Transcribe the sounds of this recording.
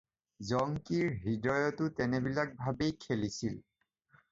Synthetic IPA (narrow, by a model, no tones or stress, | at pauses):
zɔŋkiɹɦidɔjɔtʊtɛnebilak̚bʱabejkʰelisil